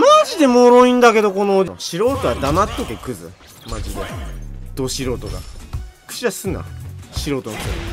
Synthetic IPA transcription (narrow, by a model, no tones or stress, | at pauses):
maʑid̪e̞moɾo̞ĩnd̪ake̞d̪o̞ko̞noɕiɾo̞ːt̪oɡad̪amat̪ːok̪ekɯ̟zɨ̰ | maʑid̪e̞̰d̪̥o̞ɕiɾo̞ːt̪oɡa̰kɯ̥t͡ɕiɾasɨna̰ɕiɾo̞ːt̪onok̪a̰ɾ̰